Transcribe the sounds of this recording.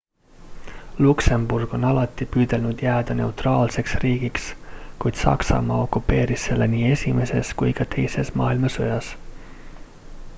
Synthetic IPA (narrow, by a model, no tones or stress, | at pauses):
lukse̞mburɡ̥o̞nɑlɑt̪ˑːipyːd̪̥e̞lnud̪̥jæːd̪̥ɑne̞wt̪rɑːlse̞ksriːɡ̥ikskujd̪̥sɑ̰ksɑ̰mɑːo̞kːupːe̞ːɾisːe̞lːe̞niːe̞sʲime̞se̞skujkɑt̪ʰe̞jse̞smɑ̰ːilmɑso̰jɑs